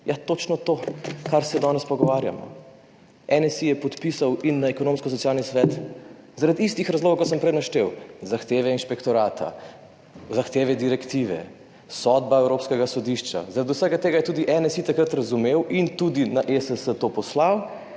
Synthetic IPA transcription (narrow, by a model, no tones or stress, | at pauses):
jat̪ot͡ʃnɔt̪oːkaɾsɛd̪ɔnɛspɔɡɔʋaːɾja̰mɔ̰ | ɛnɛsijɛpɔt̪pisawinːaɛkɔnõːmskɔs̬ɔtsijaːlnisʋɛːt̪zaɾad̪ist̪ixɾɐzloːɡowkɔs̬əmpɾɛjnaʃt̪ewzaxt̪eːʋɛinʃpɛkt̪ɔɾaːt̪ʰa̰ | zaxt̪eːʋɛd̪iɾɛkt̪iːʋɛ̰ | sɔd̪baɛwɾoːpskɛɡasɔd̪iʃt͡ʃa̰zaɾad̪usɛɡat̪eːɡajɛt̪uːd̪iʔɛnɛsit̪ɐkɾət̪ɾɐzumewʔint̪ud̪inaʔesəsət̪opɔslaw